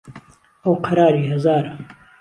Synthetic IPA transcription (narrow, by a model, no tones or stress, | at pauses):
ɐwqʰɐɾaːɾiːhɐzaːɾɐ